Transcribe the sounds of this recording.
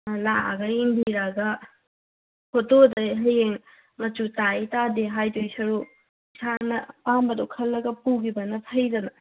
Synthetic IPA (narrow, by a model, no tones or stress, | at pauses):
laɡɐiŋbiɾaɡɐ | hʰotodɐjɦɐjeŋ | mɐtutaitadeɦajdojsɐɾu | sanɐpambɐdokʰɐlːɐɡɐpuɡibɐnɐtʰɐjdɐnɐ